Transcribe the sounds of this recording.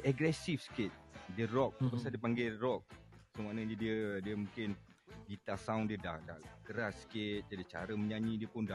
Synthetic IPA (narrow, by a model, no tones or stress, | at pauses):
ɛɡɾɛsifsə̥kɪt̪̚diərɔk̚pasaldiəpaŋɡɛrɔk̚səmanaɲədiədiəmũŋkɪn | dit̪asaundiədahda̰hkəɾassə̥kɪt̪̚d͡ʒadiət͡ʃa̰ɾəməɲaɲĩdiəpʊnda